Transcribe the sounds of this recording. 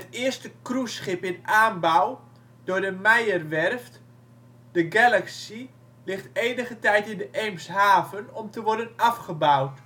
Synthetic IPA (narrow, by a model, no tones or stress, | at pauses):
ətɪəstəkrusχɪpɪnaːnbaw | d̥ʊːdəmɛjərʋɛrft | dəɡɛlaksi | lɪχteːnəɣətɛjtɪndəʔejmsɦaːvənɔmtəʋɔrdənafχəbawt